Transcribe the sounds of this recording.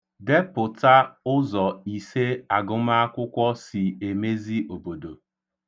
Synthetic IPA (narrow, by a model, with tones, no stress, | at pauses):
de˦pʊ˨ta˦ʊ˦zɔ˨i˨se˦a˨ɡʊ˦m̩˦a˦kʷʊ˦kʷɔ˦si˨e˨me˦zi˦o˨bo˨do˨